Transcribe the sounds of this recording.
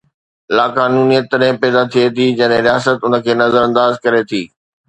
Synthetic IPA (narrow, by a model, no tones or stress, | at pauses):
laːkaːnuːnijət̪ːəɾɛ̃pɛːd̪at̪ʰiet̪ʰid͡ʑɐ̃ːnɦẽɾijaːsət̪ʊnə̆kʰeːnɐzəɾə̃nd̪aːzkɐɾet̪ʰiː